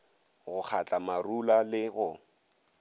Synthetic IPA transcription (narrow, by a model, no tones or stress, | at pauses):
ɣʊk͡xʰat͡ɬʼamarulalɪɣʊ